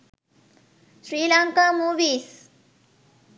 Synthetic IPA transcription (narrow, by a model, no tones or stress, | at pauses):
ɕɾilaŋkamuʋis